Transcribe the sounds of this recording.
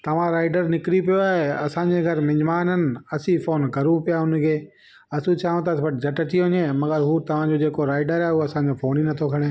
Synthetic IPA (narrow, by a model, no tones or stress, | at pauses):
t̪ɐʋ̤ãɾaːɪɖəɾnɪkɾipijoaːɦeɐsãːd͡ʑeɡʱɐɾmɪ̃ɲmaːnənɪ̆ɐsifoːnkɐɾũpijaʊnkʰeː | ɐsũt͡ɕʰaːũt̪̬ɐsbɐʈd͡ʑɐʈəʈiɦʊ̃ɲemɐɡəɾɦuːt̪ɐʋ̤ãd͡ʑod͡ʑeːkoɾaːɪɖəɾaɦeɦuɐsãɲd͡ʑofʰoːninɐt̪ʰokʰɐɽ̃eː